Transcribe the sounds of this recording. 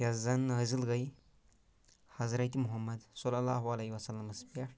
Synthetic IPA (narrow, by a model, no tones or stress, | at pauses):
ɐzɐnəzilɡɐj | hɐzɾɐt̪ʲimuɦɐmːɐd̪sɔlːɐlːaːɦuɐlɐɦiʋɐsɐlːɐmɐspa